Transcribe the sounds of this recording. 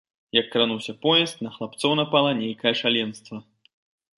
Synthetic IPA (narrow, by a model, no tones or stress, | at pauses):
jɐkːɾanuwsʲɐpɔjɛst̪nɐxlˠapt̪sɔwnɐpalˠɐnʲejkɐjɛʂalʲɛnst̪vɐ